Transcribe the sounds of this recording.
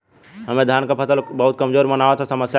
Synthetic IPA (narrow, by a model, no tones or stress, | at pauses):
ɦəmẽd̪ʱjaːnkapʰəsəlbəɦʊt̪̚kəmzoːɾmənaːʋet̪ʰasəməsja